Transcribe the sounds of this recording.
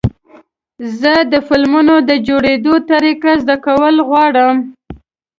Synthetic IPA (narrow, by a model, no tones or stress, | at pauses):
zəd̪əfɪlmunod̪əd͡ʒoɽed̪ot̪aɾikazd̪akawəlɣwɑɽəm